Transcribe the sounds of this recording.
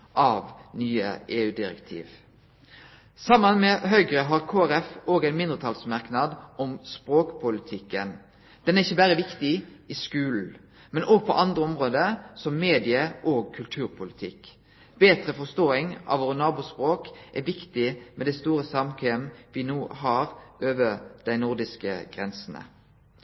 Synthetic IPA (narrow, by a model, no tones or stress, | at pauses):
ʔɑʋnyːə̰ʔeːʉːd̪ɪɾɛ̰kt̪ʰḭːʋ | sɑmːənmɛɦœʏɡɾəɦɑʁkʰoːæɾɛfoːɡæɪnmɪnd̪ʁət̪ʰɑlsmɑʁknɑd̪ʔɔmspɾoːkpʰʊlɪt̪ʰɪkːən | d̪̥ɛnæʁɪçːəbæːɾəʋɪkt̪ɪɪskʉːln̩ | mɛnʔoːɡ̚pʰɔ̰ʔɑnd̪ʁəɔmʁoːd̪əsɔmːeːd̪ɪəʔoːɡ̚kʰːʉlt̪ʰʉːɾpʰʊlɪt̪ʰɪ̰k | b̥eːt̪ɾəfɔst̪oːɪŋʔɑ̰ʋoːʁənɑːbʊspʁoːkʔæʋɪkt̪ɪmɛd̪æst̪uːɾəsɑmkʰeːmʋɪnuːɦɑːʁʔøːʋəd̪̥æɪnʊʁd̪ɪskə̰ɡ̥ʁɛnsn̩ə̰